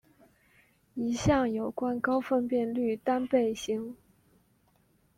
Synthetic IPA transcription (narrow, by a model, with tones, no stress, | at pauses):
i˧˥ɕjɑ˥˩ŋjo˨˩ʊkwa˥nkɑ˥ʊfə˥˧npjɛ˥˧nly˥˩t̪a˥npe˥˩ɪɕi˧˥ŋ